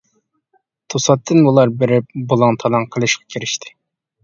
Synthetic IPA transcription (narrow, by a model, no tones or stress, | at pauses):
t̪ʰosɑt̪ʰːɨnbulˠɑɾbeɾɪp̚bolˠɑŋt̪ʰɑlˠɑŋqʰəlˠɨʃqʰɑ̥kʲʰiɾɪʃt̪ʰɪ̥